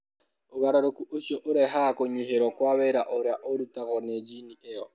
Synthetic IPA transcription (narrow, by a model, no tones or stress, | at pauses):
oβaɾaɾokuʔoʃɔʔoɾɛɦakoɲiɦeɾɔkwaβɛɾaʔoɾaʔoɾutaɣɔnɛd͡ʒiniʔɛjɔ